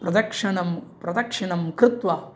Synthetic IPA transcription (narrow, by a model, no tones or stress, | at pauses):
pɾɐd̪ɐkʂɐnɐmpɾɐd̪ɐkʂɐnɐmkɾɪt̪ʋa